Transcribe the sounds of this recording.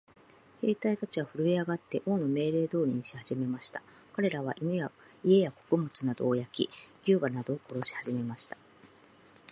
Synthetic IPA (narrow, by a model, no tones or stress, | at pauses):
he̞ːt̪ait̪at͡ɕiβaɸɯ̟ɾɯ̟iaɡat̪ːe̞ʔo̞ːno̞me̞ːɾe̞ːd̪o̞ːɾʲiɲ̟iɕi̥haʑ̥ime̞maɕi̥t̪ḁ | kaɾe̞ɾaβaʔinɯja | ie̞jako̞̥kɯ̟mɯt͡sɨnad̪o̞ːjakʲiɡ̥ʲɨːbanad̪o̞ːko̞ɾo̞ɕi̥haʑime̞maɕi̥t̪ḁ